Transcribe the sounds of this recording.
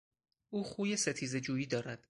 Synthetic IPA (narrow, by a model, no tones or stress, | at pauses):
ʔuːχuːjese̞t̪ʰiːze̞d͡ʒuːjiːd̪ɒːɾæd̪̥